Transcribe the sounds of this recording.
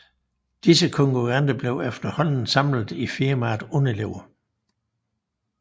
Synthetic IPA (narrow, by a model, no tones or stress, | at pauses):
d̥isəkʰɔ̽ŋkʰuʁɑnd̥əb̥le̝ʊefd̥ɐhɒ̽n̰n̩sɑ̈m̰lð̩ˠifiɐmɑ̈ːd̥ɔne̝le̝ʊ̰ɐ